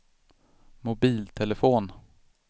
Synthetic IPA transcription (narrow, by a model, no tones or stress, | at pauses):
mʊbiːlt̪ʰɛləfoːn